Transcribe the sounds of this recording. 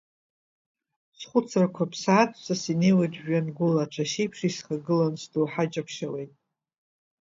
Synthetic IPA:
sχʷʊt͡sʰrakʷʰapʰsaːt͡sʰsasinejwadʒanɡʷʊlat͡ʃʷʰaʃijpʰʂisχaɡɨlanstʰʼowħad͡ʒapʰʃawe̞jtʼ

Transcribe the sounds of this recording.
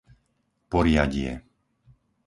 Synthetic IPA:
pɔɾɪaɟɪɛ̰

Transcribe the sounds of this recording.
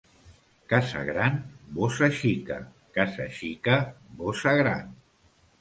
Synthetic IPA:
kasa̰ɣɾanbosaʃika̰ | kasaʃikəbosaɣɾa̰n

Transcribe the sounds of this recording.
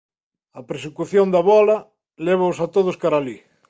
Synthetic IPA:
ɐpɾesekuθjond̪ɐβɔlɐ | lɛβ̞aosat̪oðʊskaɾali

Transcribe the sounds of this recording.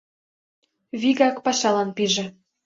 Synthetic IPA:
βiɣɑkpɑʃɑlɑnpiʒĕ

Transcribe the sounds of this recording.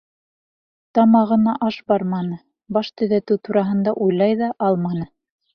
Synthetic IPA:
t̪ɑmɑʁɤ̆nɑʔɑʃbɑɾmɑnɤ | bɑʃt̪ɵ̆ðæt̪ɘwt̪uɾɑɦɤ̆nd̪ɑʔujlˠɑjðɑʔɑlˠmɑnɤ

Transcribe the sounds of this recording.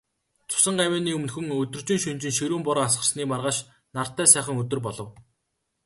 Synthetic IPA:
t͡sʰʊ̥sə̆ɴɢawæːniːɵmnxɵ̆ŋɵt̪ɵ̆rt͡ɕɪ̆ŋʃunt͡ɕɪ̆nʃiɾuːmpɔɾɔːas̬ɢə̆rsniːmarʁaːʃ | nar̥t̪ːæːsæːχə̆ŋɵt̪ɵ̆rp̬ɔɮɞ̆w

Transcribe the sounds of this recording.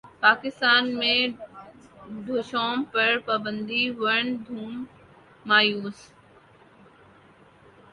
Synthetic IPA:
paːkɪst̪aːnmẽː | ɖ̪ʱoːʃoːmpɐɾpaːbə̃nd̪iʋɐɳ̃d̪ʱuːmː | aːjuːs

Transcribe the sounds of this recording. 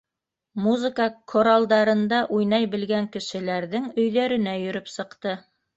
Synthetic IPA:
muzɨ̆kəkʰoɾalˠd̪ɑɾɤ̆nd̪ɑʔujnɑjbɘ̆lɡæŋkɘ̆ʃɘ̆læɾðɘŋɵ̆jðæɾɘ̆næjɵ̆ɾɵpsɤ̆qt̪ɤ

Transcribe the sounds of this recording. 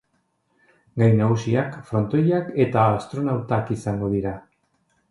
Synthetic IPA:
ɡajnaɣusiakfɾo̞nt̪o̞jake̞t̪aːst̪ɾo̞nawt̪akisaŋɡo̞ð̞iɾa

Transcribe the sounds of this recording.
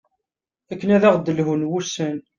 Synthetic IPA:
ækːənæðæʁd̪əlɦunwusən

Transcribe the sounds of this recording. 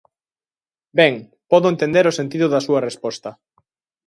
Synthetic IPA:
bɛŋ | pɔðʊent̪end̪eɾʊsent̪̬iðʊðɐsuɐrespɔst̪ɐ

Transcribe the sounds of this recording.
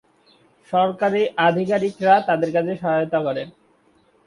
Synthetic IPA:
ʃɔɾkaɾeʔad̪ʱikaɾikɾat̪ad̪eɾkat͡ɕʰeʃɔɦajot̪akɔɾen

